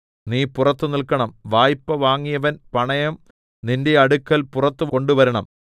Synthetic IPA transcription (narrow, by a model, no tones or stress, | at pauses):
niːpurɐt̪ːɨnilkɐɳɐmʋaːjpːɐʋaːŋːijɐʋɐnpɐɳɐjɐm | ninde̞ɐɽukːɐlpurɐt̪ːɨko̞ɳɖuʋɐɾɐɳɐ̰m